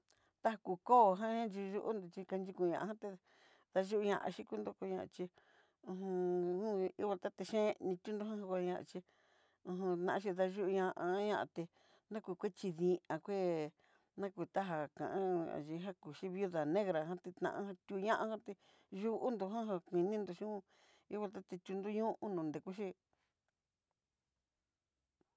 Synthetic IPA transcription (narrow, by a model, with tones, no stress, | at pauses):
t̪a˦a˧ku˧ko˦˨ɦã˦ã˦nt͡ʃi˧ʒu˧ʔṵ˦nd̪u˧t͡ʃi˧ka˧nd͡ʒi˧kũ˧ɲã̰˧ʔa˧˦ã˦t̪e˧ | ða˧ʒu˦ʔu˧ɲã̰˧ʔa̰˧ʃi˦ku˦nd̪o˦˧ko˧ɲã˧ʔa̰˧t͡ʃi˧ | ũ˧ɦũ˧ũ˦ḭ˦βa˧t̪a˦t̪e˧ʃẽ˦nĩ˧t̪ʲu˦nd̪o˧˦hã˦hã˧kʷa˧ɲã˧ʔa̰˧t͡ʃi˧ | ũ˧ɦũ˧t̪nã˧ʔã˧ʃ̬i˧ða˧ʒu˦ʔu˧ɲã˧ʔa˧˦ɲã˧ʔa˧t̪e˧ | nã˦kʷu˧kʷe˦t͡ʃi˧ðĩ˧ã˧kʷe˦ | nã˦ku˧t̪a˦ɦa˧kã̰˨ʔã˦a̰˨ʒi˧ɦa˦ku˨ʃi˦βi˦u˦ða˨nẽ˦ɣɾa˨ɦã˦t̪i˧t̪ã̰˧ʔã̰˦hã˧t̪ʲu˧ɲã˦ʔã˧hã˦t̪e˧ | ʒu˦ʔu˦nd̪u˧ɦã˦ɦã˧kʷĩ˧nĩ˦nd̪u˧ʃĩ˦hũ˦ | i˦βa˧t̪a˦t̪e˧t̪ʲu˧nd̪u˦ɲũ˦ʔu˦nũ˧˨nd̪e˨ku˦ʃi˦